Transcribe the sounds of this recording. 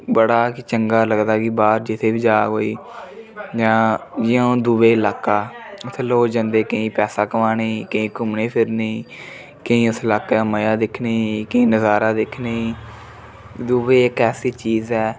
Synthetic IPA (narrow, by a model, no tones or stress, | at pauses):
bəɽaːkɪt͡ʃəŋɡaːləɡd̪aːkibaːɾd͡ʒɪt̪ʰeːbiːd͡ʒaːɦoːiː | d͡ʒãːd͡ʒɪjõːd̪uːʋeːlaːkaːʊt̪ʰeːloːd͡ʒãnd̪eːkəĩːpɛːsaːkəʋaːneːkəĩːkʊmneːpʰɪɾneː | kəĩːʊslaːkaːməjaːd̪ɪkʰneːkəĩːnəzaːɾaːd̪ɪkʰneː | d̪uːʋeːɪkɛːsiːt͡ʃiːzɛː